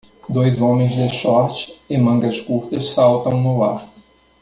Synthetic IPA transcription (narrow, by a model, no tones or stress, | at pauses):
d̪ojzõmẽj̃zd̪ɪʃɔɾt͡ʃɪ̥ɪmɐ̃ŋɡɐskuɾt̪ɐssawt̪ɐ̃w̃nʊla̰ɾ